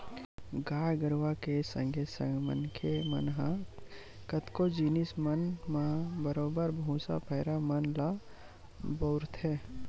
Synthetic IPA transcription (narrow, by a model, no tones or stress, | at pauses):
ɡaːjɡəɾʋakesə̰̃ŋɡesə̰̃mə̰nkʰemə̰nɦã | kət̪kod͡ʒiːnismənmãbəɾoːbəɾbʱũːsa̰pʰɛːɾamənla | boːɾt̪ʰɦɛː